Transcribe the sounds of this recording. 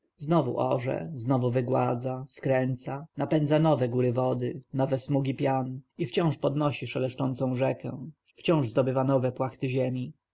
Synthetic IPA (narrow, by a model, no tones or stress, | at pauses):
znɔvṵʔɔʐɛ̰znɔvuvɘɡwa̰d̪zaskɾɛnt̪sanapɛnd̪zanɔvɛɡuɾɘvɔd̪ɘnɔvɛsmuɡʲipʲjanift͡ɕɔ̃w̃ʂpɔd̪nɔɕiʂalɛʂt͡ʂɔnt̪sɔ̃w̃ʐɛkɛ̃ | ft͡ɕɔ̃w̃ʐzd̪ɔbɘvanɔvɛpwaxt̪ɘʑɛmʲi